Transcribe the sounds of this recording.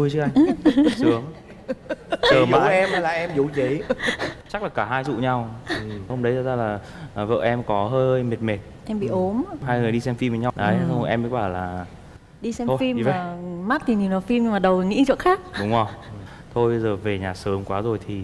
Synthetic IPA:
tu˧jɨ˦˥k̚ʔa˧ŋsɨ˨˦əŋ | t͡ɕəː˨˩ma˨˧˩ʔɛ˧mha˨˦laː˨˩ʔɛ˧mjə˨˦wt͡ɕe˨˦jt͡ɕa˦˥k̚laː˨˩kaː˧˩ɦaː˧jzṵ˧˨ɲa˧whə˧ŋ͡mɗə˨˦jzaː˨˧˩zaː˧laː˨˩˨ | və̰ː˧˨ʔɛ˧mkɔ˨˦ɦəː˧jjme˨˩t̚me˨˩t̚ʔɛ˧mɓḭ˧˨ʔo˨˦mɦaː˧jŋɨ˨˩əjɗi˧sɛ˧mfi˧mvəː˨˦ɲa˧wɗə˨˦ə˧ʔɛ˧mɓḭ˧˥kwaː˧˩laː˨˩ | ɗi˧sɛ˧mʰ˧fi˧m˧ve˧˨˩ma˦˥t̚t̪ʰi˨˩ɲi˨˩naː˨˩fi˧mɲɨ˧ŋmaː˨˩ɗə˨˩wŋḭ˧˥˧t͡ɕə̰˧˨nxaː˦˥k̚ɗʊ˨˦ŋ͡mʔə˨˩˨ | t̪ʰo˧jjzəː˨˩ve˨˩ɲaː˨˩sə˨˦mkwaː˨˦zo˨˩jt̪ʰi˨˩

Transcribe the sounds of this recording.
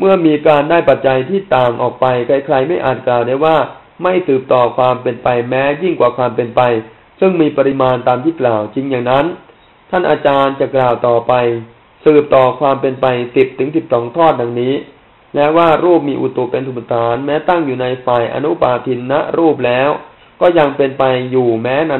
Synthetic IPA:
mɯ˥˩ɐmiː˧kaː˧ndaː˥˩jpa˨˩t̪̚t͡ɕa˧jt̪ʰiː˥˩t̪aː˨˩ŋʔɔː˨˩k̚pa˧jkʰa˧jkʰɾa˧jma˥˩jʔaː˨˩t̪̚klaː˨˩wdaː˥˩jwaː˥˩ | ma˥˩jsɯː˨˩p̚t̪ɔː˨˩kʰwaː˧mpe˧npa˧jmɛː˦˥ji˥˩ŋkwaː˨˩kʰwaː˧mpe˧npa˧j | sɯ˥˩ŋmiː˧pa˧ɾi˧maː˧nt̪aː˧mt̪ʰiː˥˩klaː˨˩wt͡ɕi˧ŋjaː˨˩ŋna˦˥n | t̪ʰa˥˩nʔaː˧t͡ɕaː˧nt͡ɕa˨˩klaː˨˩wt̪ɔː˨˩pa˧j | sɯː˨˩p̚t̪ɔː˨˩kʰwaː˧mpe˧npa˧jsi˨˩p̚t̪ʰɯ˩˦ŋsi˨˩p̚sɔː˩˦ŋt̪ʰɔː˥˩t̪̚da˧ŋniː˦˥ | lɛ˦˥waː˥˩ɾuː˥˩p̚miː˧ʔu˨˩t̪u˨˩pe˧nsu˨˩psa˧˩t̪ʰaː˩˦nmɛː˦˥t̪a˥˩ŋjuː˨˩na˧jfaː˨˩jʔa̰˧nu˦˥paː˧t̪ʰi˧nːa̰˦˥ʔɾuː˥˩p̬̚lɛː˦˥w | kɔː˥˩ja˧ŋpe˧npa˧jːuː˨˩mɛː˦˥na˧

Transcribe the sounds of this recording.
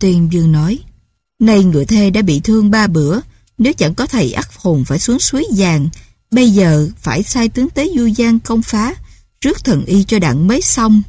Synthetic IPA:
t̪wi˧ənɓɨ˧əŋnɔ˨˦j | nə˧jŋɨ̰˨˩˨əjt̪ʰe˧ɗa̰ː˧˥ɓḭ˧˨t̪ʰɨ˧əŋɓaː˧ɓɨ˧˩ə | ne˨˦wt͡ɕa̰˧˩ŋkɔ˨˦t̪ʰə˨˩jʔa˦˥k̚ho˨˩ŋ͡mfaː˧˩jsu˨˦əŋswi˨˦jzaː˨˩ŋ | ɓə˧jzəː˨˩faː˧˩jsaː˧jt̪ɨ˨˦əŋt̪e˨˦zu˧zaː˧ŋkə˧wŋ͡mfaː˨˦ | t͡ɕɨ˦˥ək̚t̪ʰə˨˩nʔi˧t͡ɕɔ˧ɗa̰ː˧˨ŋməː˨˦jsa˧wŋ͡m

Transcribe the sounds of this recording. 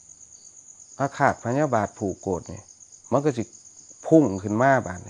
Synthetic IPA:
ʔa˧kʰaː˨˩t̪̚pʰa˧nɲaː˧˨baː˨˩t̪̚pʰuː˨˩kːoː˨˩t̪̚nḭ˧˦ma˧˥˨kɔ˧˩si˧pʰu˧˥˩ŋkʰɯ˧˩˨nmaː˧˥˨ba̰ː˨˩ni˧

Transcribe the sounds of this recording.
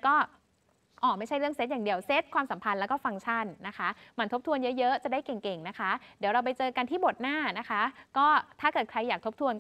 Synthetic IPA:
kɔː˥˩ | ʔɔː˨˩ma˥˩jt͡ɕʰa˥˩jɾɯ˥˩əŋse˦˥t̪̚jaː˨˩ŋdi˧əwse˦˥t̪̚kʰwaː˧msa˩˦mpʰa˧nlɛː˦˥wkɔː˥˩fa˧ŋt͡ɕʰa˥˩nːa˦˥kʰa˦˥ma˧nt̪ʰo˦˥p̚t̪ʰu˧ənjɤ˦˥jɤ˦˥t͡ɕa˨˩daː˥˩jke˨˩ŋke˨˩ŋna˦˥kʰa˦˥di˩˦wɾa˧wpa˧jt͡ɕɤː˧ka˧nt̪ʰiː˥˩bo˨˩t̪̚naː˥˩na˦˥kʰa˦˥kɔː˥˩t̪ʰaː˥˩kɤː˨˩t̪̚kʰɾa˧jːaː˨˩k̚t̪ʰo˦˥p̚t̪ʰu˧ən

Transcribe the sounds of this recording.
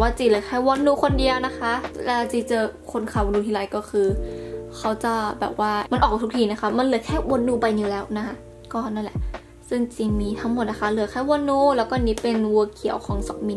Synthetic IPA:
waː˥˧˩t͡ɕiː˧˩lɯː˨˦kʰa˧˥˩wo˧˥nːuː˧˦kʰo˧ndi˧əwna˦˥kʰa˦˥laː˧˩t͡ɕiː˧˩t͡ɕɤː˧kʰo˧nkʰaː˨˩wo˧nduː˧t̪ʰiː˧laː˨˦jkɔː˥˩kʰɯː˧kʰa˦˥wt͡ɕa˧˩bɛ̰ː˨˩p̚waː˥˩ma˧nʔɔː˨˩k̚t̪u˦˥kt̪ʰiː˧˩na˦˥kʰa˦˥ma˧˥nlɯː˨˩˦kʰɛː˥˩wo˧˦nduː˧˩pa˧jni˧˦lɛː˨˦˥wna˦˥kʰa˦˥ | kɔː˧˩naː˥˩˨lɛ˨˦ʔ | sɯ˥˩ŋt͡ɕi˧˩miː˧˥t̪ʰa˦˥ŋmo˨˩t̪̚na˦˥kʰa˧˥lɯ˨˩˦kʰaː˧˩jwo˧nːuː˧lɛː˦˥wkɔː˥˩˨niː˦˥pe˧nwu˧ɐkʰi˨˦ə˦wkʰɔː˩˦ŋsɔ˨˩k̚mi˧

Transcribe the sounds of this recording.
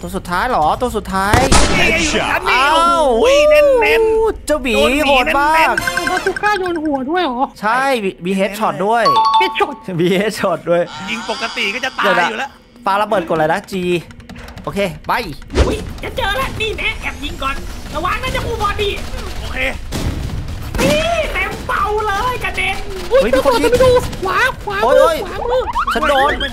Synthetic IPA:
t̪u˧ə˧su˨˩t̪ʰːaː˦˥jlɔː˨˩˦t̪u˧su˨˩t̪ʰːaː˦˥j | a˧˩aː˧w | t͡ɕa˧˩wiː˨˦˧ɦoː˨˩t̪maː˥˩k̚a˨˩maː˧˩t̪ʰu˧˥˩kʰːaː˥˩doː˧nhu˨˩˦ɐ˦du˥˩əjʔɔː˨˩˦t͡ɕʰa˥˩jmiː˧ɦeː˦˥t̪̚t͡ɕʰɔː˨˩t̪̚du˥˩əjhe˦˥t̪̚t͡ɕʰɔː˨˩t̪̚miː˧heː˦˥t̪̚t͡ɕʰɔː˨˩t̪̚du˥˩əjji˧ŋpo˨˩kːa˧t̪i˨˩kɔː˥˩t͡ɕa˨˩t̪aəː˧˩la˧˥uː˨˩lɛ˦˥ | faː˧la˧bɤː˨˩t̪̚ko˨˩la˨˩jna˦˥t͡ɕiː˧ | ʔoː˧kʰeː˧˩ba˧˩ju˦˥jt͡ɕʰa˦˥nt͡ɕɤː˧la˦˥ʔniː˧˩nɛ˨˦˥ʔɛ˨˧˩p̚ji˧ŋkɔː˧nla˧˩waː˧˥˩ŋnaː˥˩t͡ɕa˨˩mʰuː˧˩pʰɔː˧ndiː˧˩˧ʔoː˧˩kʰeː˧ | mi˧˥˩tɛː˨˧mfa˧wlɤː˧jka˧˩de˧˥mː˦˥˦ | jmiː˧˥ko˧˨˩uː˧˩waː˦˥wa˨˥ʔoː˧˥jʔoː˧˥˩jɯ˧˥˩t͡ɕa˦˥ndo˧n

